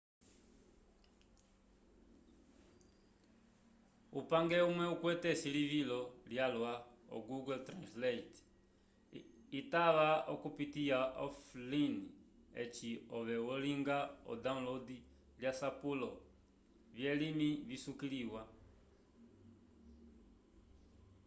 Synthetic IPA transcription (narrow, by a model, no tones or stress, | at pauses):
upaŋɡɛumwɛukwɛtɛsiliβilɔljalwaɔ̰ɡuɡɔltɾanslɛt | itaβaɔkupitiaʔɔflini | ɛ̰t͡ʃiɔβɛwɔliŋɡaɔ̰daũnlɔdi | ljasapulɔ | βjɛlimiβisukiliwa